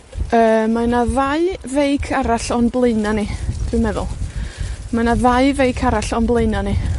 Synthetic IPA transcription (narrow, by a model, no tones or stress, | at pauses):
əːmanaðaɨvejkʰaɾaɬɔnblˠeɨnanid̥ʰwɨmɛðʊ̰lˠ | manaðajvejkʰaɾaɬɔnblˠeɨnani